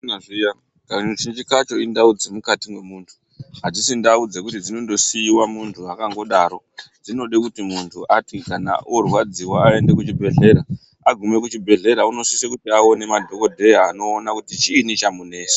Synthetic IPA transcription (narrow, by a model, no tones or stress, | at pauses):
aʐija | kat͡ʃind͡ʒikat͡ʃo̞indaud͡zemukatimwe̞muːntʰu̥ | ɦatisindaud͡zekutid͡zino̞ndo̞sijiwamuntʰuakaŋɡo̞ɗaːɾo̞ | d͡zino̞ɗekutimuntʰuʔatikana̰ʔorwad͡ziwaae̞nde̞kut͡ʃibʱe̞ɮe̞ɾa | aɡʱume̞kut͡ʃibʱe̞ɮe̞ɾauno̞sisekutiaone̞madʱo̞ko̞dʱe̞jaːno̞ːnakutit͡ʃiːnit͡ʃamune̞ːse̥